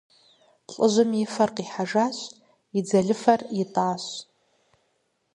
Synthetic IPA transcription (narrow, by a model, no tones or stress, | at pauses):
ɬʼɨʒʷʊmifarqʼiħaʐaʃʷ | id͡zaɮɪfaritʼaːʃʷ